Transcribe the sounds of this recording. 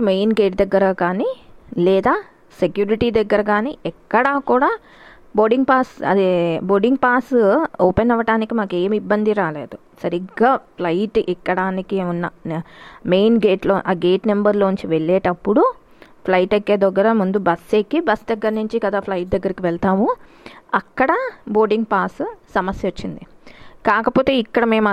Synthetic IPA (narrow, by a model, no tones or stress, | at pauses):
mejnɡe̞ːʈd̪ɐɡːɐɾɐkaːnilɛːd̪aː | sekjuːɾiʈid̪ɐɡːɐɾɐɡaːniɛkːɐɽaːkuːɽaː | boːɖiŋɡ̚paːsɐ̰d̪eboːɖiŋɡpaːsɔːpenɔʋɐʈaːnikimaːke̞ːmibːɐnd̪iɾaːlḛːd̪u | sɐɾiɡaːpʰlɐjʈʔɛkːɐɽaːnikiunːɐ | mejnɡeːʈloːʔaːɡe̞ːʈnembɐɾlo̞ːɲt͡ʃiʋeɭːɛːʈɐpːuɽu | pʰlɐjʈeɡːeːd̪ɔɡːɐɾɐmund̪ubɐsːekːibɐsd̪ɐɡːɐɾnuɲt͡ʃikɐd̪aːpʰlɐjʈ̚d̪ɐɡːɐɾikiʋɛɭt̪aːmu | ɐkːɐɽɐboːɾɖiŋɡpaːssɐmɐsjɐut͡ʃːind̪i | kaːkɐpoːt̪eːikːɐɽɐme̞ːmɐ